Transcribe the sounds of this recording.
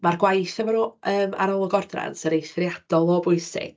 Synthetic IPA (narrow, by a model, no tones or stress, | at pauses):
marɡwajθəmaɾɔʔəːma̰ɾɔlˠɔɡɔrdra̰nsəɾejsfrjad̥ɔlˠoːbʊɨsɪ̰ɡ̥̚